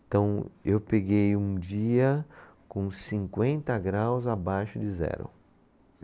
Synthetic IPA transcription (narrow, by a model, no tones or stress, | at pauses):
ẽt̪ɐ̃w̃ewpeɡejũd͡ʒiɐ | kõsĩŋkwẽnt̪ɐɡɾawzabajʃʊd͡ʒɪzɛ̰ɾʊ̰